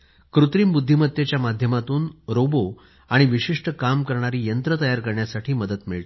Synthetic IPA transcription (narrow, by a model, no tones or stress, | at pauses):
kɾut̪ɾiːmbud̪ʱːimət̪jet͡ɕjamad̪ʱjəmat̪uːnɾobo | aɽ̃iʋiɕiʂʈəkamkəɾɳaɾiːjənt̪ɾət̪əjaɾkəɾɳjasaʈʰiːməd̪ət̪miɭt̪